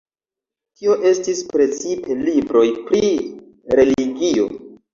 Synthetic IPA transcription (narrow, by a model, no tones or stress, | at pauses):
tio̞ʔe̞stispɾe̞t͡sipe̞libɾo̞jpɾi | ɾe̞liɡio̞̰